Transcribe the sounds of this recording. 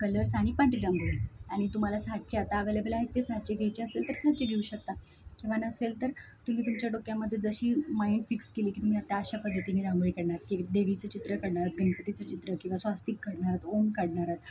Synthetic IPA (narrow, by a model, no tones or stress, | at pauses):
kələɾsaɽ̃ipãɳʈɾiɾamboɭiaɽ̃it̪um̤alasat̪̚t͡ɕeat̪aːʋelebʱelaɦet̪ːesad̪̚t͡ɕeɡʱejt͡ɕeəselt̪əɾsat̪̚t͡ɕeɡʱeuːɕək̚t̪a | eʋanəselt̪əɾ | t̪um̤iːt̪umt͡ɕjaɖokjamːəd̪ʱːjed͡zəɕiːmainfikskeliːki̥t̪um̤iat̪jaːɕapəd̪ʱːət̪iniːɾãmbɭikəɽɳaɾat̪kid̪eʋit͡sət͡ɕit̪ɾəkəɽɳaɾat̪̚ɡʱənəpət̪it͡sət͡ɕit̪ɾəkĩw̃ʋasʋast̪iːkːəɽɳaɾat̪oŋkəɽɳaɾat̪